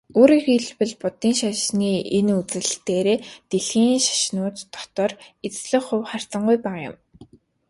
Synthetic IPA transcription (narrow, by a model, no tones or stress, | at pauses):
oːɾiːxiɮpɘ̆ɮpʊt̪iːnʃaʃniːenut͡sɘ̆ɮɬt̪eːɾeːt̪eɮxiːnʃḁʃnʊːt̪t̪ːɔ̥t̪ɔːret͡sɮɘ̆χʊwχar̥t͡sə̆ɴɢʊjpæːʁajʊ̰m